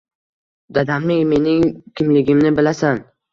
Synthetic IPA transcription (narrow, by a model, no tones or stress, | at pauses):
d̪ad̪amlɪŋme̞nɪŋkʲʰɪmlɪɡʲɪmnɪbɪlasan